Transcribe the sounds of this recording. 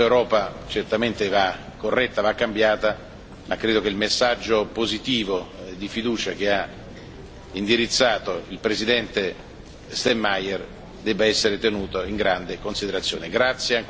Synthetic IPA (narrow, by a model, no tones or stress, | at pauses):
ewɾɔːpat͡ʃert̪ament̪eva | kːorːɛt̪ːavakːambjaːt̪a | makːɾeːd̪ok̟eilmesːad͡ʒːopozit̪iːvod̪ifid̪uːt͡ʃak̟ea | ind̪iɾit̪sːaːt̪oilpɾezid̪ɛnt̪e | st̪ɛmːajɛr | d̪ɛbaɛsːeɾet̪enuːt̪oiŋɡɾand̪ekonsid̪eɾat̪sːjo̰ːneɡɾat̪sːjeŋ